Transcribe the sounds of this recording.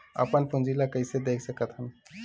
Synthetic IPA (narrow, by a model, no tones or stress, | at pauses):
ə̰pənpʰũnd͡ʒilakəɪsed̪ekʰsəkət̪ɦən